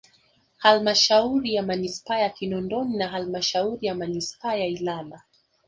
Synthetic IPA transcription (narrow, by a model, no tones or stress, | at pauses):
halmaʃauɾijamanispaːjakinɔndɔninaɦalmaʃauɾijamanispaːjailala